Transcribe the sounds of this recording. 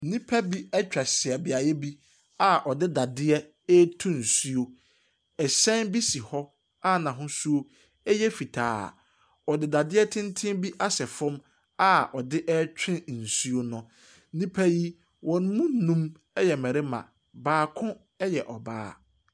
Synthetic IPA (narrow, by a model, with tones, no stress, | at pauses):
n̩˦nĩ˦pʰa˦bi˦ɛ˦t͡ɕᶣa˨sɪ˨ɛ˨bɪ˨a˨jɛ˦bi˦ | a˨ʔɔ˨dɪ˦da˨dɪ˦ɛ˦ | ɛ˦tʰũ˦n̩˨su˦o˦ | ɛ˨sɛ̃˦nbi˦si˨hɔ˦ | a˦nã˨ɦʊ̃˦su˦o˦ | ɛ˦jɛ˦fi˨tʰa̰ː˨˦˨ | ɔ˨dɪ˦da˨dɪ˦ɛ˦tʰɪ̃˦ntʰɪ̃˦mbi˦ʔa˦sɛ˨fʊ̃˦m | a˦ɔ˨dɪ˦ʔɛː˦t͡ɕᶣɪ̃˦˨n̩˨su˦o˦nʊ̃˨˦ | nĩ˦pʰæ˦ji˦ | wɔ̃˨n˦mũ˦n̩˦˨nũ˦m˦ | jɛ˨mɛ̃˨ɾɪ˦mã̰˨ | baː˨kʰʊ̃˦ | ɛ˦jɛ˨ʔɔ˨baː˦˨